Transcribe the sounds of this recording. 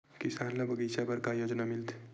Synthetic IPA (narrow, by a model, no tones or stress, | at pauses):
kɪsaːnlabʱəɡiːʃabɐɾkajod͡ʒnamɪlt̪ʰ